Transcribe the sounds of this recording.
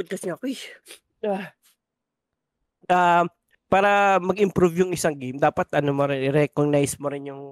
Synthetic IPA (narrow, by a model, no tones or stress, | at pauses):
bʊd̪̚kɐsɪŋɐkoj | a | ʔa | paːɾɐmɐɡɪmpɾuvjʊŋɪsaŋɡejmd̪aːpɐt̪ʔɐnomoɾɪnɪɾɛkoɡ̚najsmoɾɪnjʊŋ